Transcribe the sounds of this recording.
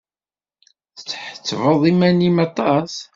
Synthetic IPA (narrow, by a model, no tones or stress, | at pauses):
θə̥t͡sːħə̥t͡sːvəðˤimænimɑt̪ˤɑs